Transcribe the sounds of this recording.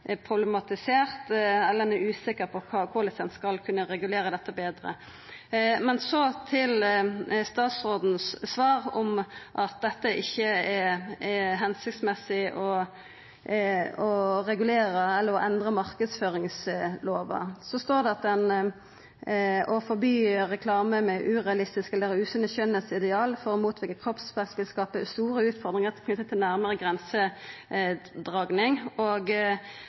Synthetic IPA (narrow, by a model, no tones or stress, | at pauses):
pʰʁʊblɛmɑt̪ɪseːʁt̪ɛlːənəʉːsɪkəɾpʰɔkʰɑkʰʊlɪfɛnskɑlkʰʉnːəɾɛɡʉleːɾəd̪ɛt̪ːəbeːd̪ɾə̰ | mɛnsɔt̪ʰɪlst̪ɑːt̪sʁoːd̪n̩sːʋɑːɾɔmʔɑt̪̚d̪ɛt̪ːəʔɪçːəɛ | ɦɛnsɪkt̪smɛsɪʔɔ | ɔʁɛɡʉleːɾəɛlːəʁɔʔɛnd̪ʁəmɑʁkəd̪sføːʁɪŋsloːʋɑ̰sɔst̪oːʁd̪ɛɑt̪̚dɛn | ɔfɔʁbyːʁɛkʰlɑːməmɛʔʉːʁɛɑlɪst̪ɪskɛlːəɾʉːsʉnəçœnəsɪd̪ɛɑːlfɔʁɔmuːt̪ʰʋɪkːəkʰʁɔpspɛsʋɪlskɑːpəst̪uːɾəʉːt̪fɔʁd̪ʁɪŋəʁt̪ʰɪlkʰnʉt̪ːət̪ʰɪlnæɾməʁəɡʁɛnsə | d̪ʁɑɡnɪŋoɡ